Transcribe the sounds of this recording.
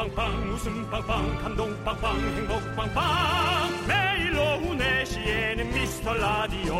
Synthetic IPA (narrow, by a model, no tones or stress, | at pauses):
aŋpaŋmusɯmpaŋpaŋkʰamd̪oŋpaŋpaŋt̪ʰɯŋbokpaŋpamɛilɔŋunɛɕiɛnɨmist̪ʰɔlad̪iɔ